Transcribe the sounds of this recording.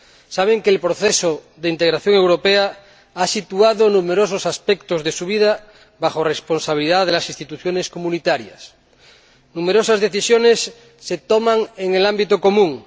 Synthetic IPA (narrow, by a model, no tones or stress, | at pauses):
saβ̞eŋkeːlpɾoθeso | ðeint̪eɣ̞ɾaθjoŋe̞wɾopea | asit̪uaðonumeɾososaspekt̪ozðesuβ̞iða | βaχoresponsaβiliðaðelasist̪it̪uθjoneskomũnit̪aɾja̰s | numeɾosazðeθisjonesː | et̪omãŋeŋelambit̪oko̞mũŋ